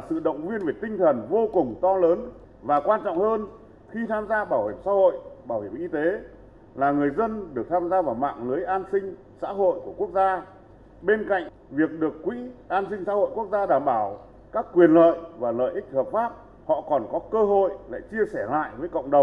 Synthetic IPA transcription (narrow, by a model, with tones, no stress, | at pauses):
sɨ̰˧˨ɗə̰˧˨wŋ͡mvi˧ənve˨˩t̪ï˧ŋ̟t̪ʰə˨˩nvo˧kʊ˨˩ŋ͡mt̪ɔ˧ləː˨˦n | vaː˨˩kwaː˧nt͡ɕɔ̰˧˨wŋ͡mhəː˧n | xi˧t̪ʰaː˧mzaː˧ɓaː˧˩whi˧˩əmsa̰ː˧˥ho̰˧˨jɓaː˧˩whi˧˩əmʔi˧t̪e˨˦ | laː˨˩ŋɨ˨˩əjzə˧nɗɨ˨˩ək̚t̪ʰaː˧mzaː˧vaː˨˩wma̰ː˧˨ŋlɨ˨˦əjʔaː˧nsï˧ŋ̟ | sa̰ː˧˥ɦo̰˧˨jku˧˩əku˦˥ək̚zaː˧ | ɓe˧nka̰˧˨jŋ̟ | vi˨˩ək̚ɗɨ˨˩əkːwḭ˧˥ʔaː˧nsï˧ŋ̟sa̰ː˧˥ho̰˧˨jku˦˥ək̚zaː˧ɗaː˧˩mɓaː˧˩w | kaː˦˥kːwi˨˩ənlə̰ː˧˨jvaː˨˩lə̰ː˧˨jʔï˦˥k̟̚həː˨˩p̚faː˦˥p̚ | hɔ̰˧˨kɔ˨˩nkɔ˨˦kəː˧ɦo̰˧˨jla̰ː˧˨jt͡ɕi˧əsɛ˧˩la̰ː˧˨jvəː˨˦jkə̰˧˨wŋ͡mɗə˨˩wŋ͡m